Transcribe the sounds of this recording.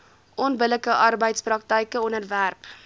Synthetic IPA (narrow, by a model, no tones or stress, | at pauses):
ʔɔnbələkəʔɐrbəjtsprɐk̚təjkəɔnərværp